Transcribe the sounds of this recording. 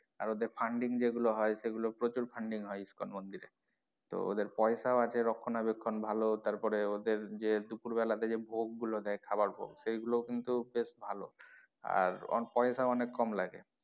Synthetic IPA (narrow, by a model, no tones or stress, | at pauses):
a̰ɾod̪eɾfʰaɳɖiŋd͡ʑeɡuloɦɔeʃeɡulopɾot͡ɕuɾpʰaɳɖiŋɦɔeiskonmond̪iɾḛ | t̪o̰o̰d̪eɾpɔeʃaoat͡ɕʰeɾɔkʰːonabekʰːonbʱalot̪aɾpɔɾeod̪eɾd͡ʑed̪upuɾbɛlad̪ed͡ʑebʱoɡːulod̪ɛekʰabaɾbʱo̰ɡsejɡulokint̪ubeʃbʱalo̰ | a̰ɾɔ̰pɔeʃaoɔnekːɔmlaɡḛ